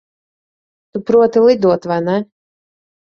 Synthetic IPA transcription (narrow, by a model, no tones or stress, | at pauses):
t̪upɾuɔt̪ilˠid̪uɔt̪vajnɛ